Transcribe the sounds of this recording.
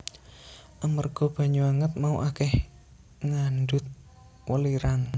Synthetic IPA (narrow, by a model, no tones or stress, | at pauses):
ʔamərɡ̥ɔ̤b̥a̤ɲuaŋət̪̚mauʔakɛh | ŋanɖʊt̪̚ | wəliɾan